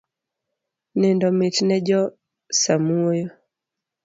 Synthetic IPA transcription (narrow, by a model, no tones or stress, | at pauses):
nɛndɔmɪtnɛd͡ʒɔ | samuojɔ